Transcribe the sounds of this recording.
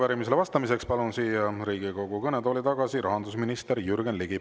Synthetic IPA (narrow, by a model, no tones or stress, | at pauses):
væɾimis̬e̞lɑst̪ɑmise̞kspɑlunsiːjjɑɾiːɡiko̞ɡ̥ukɤnet̪o̞ːlit̪ɑɡɑsiɾɑɦɑnd̪usminist̪eɾjyɾɡenliɡ̥i